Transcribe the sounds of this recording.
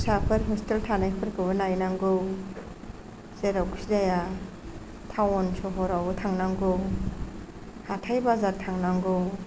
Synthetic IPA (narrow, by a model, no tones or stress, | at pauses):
sapʰɯɾɦɔsteltʰanajpʰɯɾkʰɯbɯnajnaŋɡɯw | zeɾawkʰsidaja | tʰawɔnsɔɦɔɾawɯtʰaŋnaŋɡow | hatʰajbazaɾtʰaŋnaŋɡow